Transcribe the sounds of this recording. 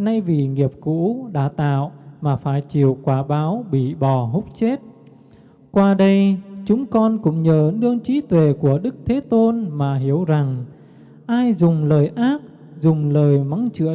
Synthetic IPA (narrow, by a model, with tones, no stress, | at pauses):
na˧jvi˨˩ŋi˨˩əp̚kṵ˧˥ɗa̰ː˧˥˩t̪a̰ː˧˨wmaː˨˩faː˧˩jt͡ɕi˧˩əwkwaː˧˩ɓaː˨˦wɓḭ˧˨ɓɔ˨˩ɦʊ˦˥k͡p̚t͡ɕe˦˥t̚ | kwaː˧ɗə˧jt͡ɕʊ˨˦ŋ͡mkɔ˧nkʊ̰˧˥ŋ͡mɲəː˧˩nɨ˧əŋt͡ɕi˨˦t̪we˨˩ku˧˩əɗɨ˦˥k̚t̪ʰe˨˦t̪o˧nmaː˨˩ɦi˧˩əwza˨˩ŋ | ʔaː˧jzʊ˨˩ŋ͡mləː˨˩jʔaː˦˥k̚ | zʊ˨˩ŋ͡mləː˨˩jma˨˦ŋt͡ɕɨ̰˧˥ə